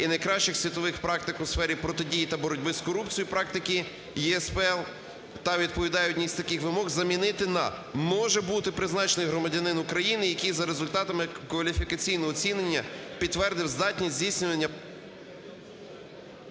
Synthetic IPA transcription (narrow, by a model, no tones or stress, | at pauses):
inɐjkɾɑʃt͡ʃɪxsʲʋʲit̪ɔʋɪxpɾɑk̚t̪ɪkʊsfɛɾʲipɾɔt̪ɪdʲijit̪ɐbɔɾɔdʲbɪskɔɾupt͡sʲijʊpɾɑk̚t̪ɪkɪ | jiɛspɛɛlˠ | t̪ɐʋʲid̪̚pɔʋʲid̪ɑjɔdʲnʲisʲt̪ɐkɪxʋɪmɔɣzɐmʲinɪt̪ɪnɐ̰ | mɔʒɛbut̪ɪpɾɪznɑt͡ʃenɪjɦɾɔmɐdʲɐnɪnʊkɾɐjinɪjɐkijzɐɾezʊlʲt̪ɑt̪ɐmɪkʋɐlʲifʲikɐt͡sʲijnɔɦɔt͡sʲinenʲːɐpʲid̪ːʋɛrd̪ɪwzd̪ɑtʲnʲizʲzʲijsʲnʲʊʋɐnʲːɐ